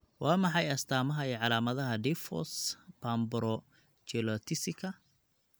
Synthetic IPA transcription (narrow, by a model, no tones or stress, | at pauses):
wɑːmɑħɑjɐst̪ʰaːmɐɦɐiːʕɑlaːmɐðɐɦɐd̪ifɔ̰spʰaːmbʊɾɔ | t͡ʃɛlɔt̪ʰɪsɪkʰɐ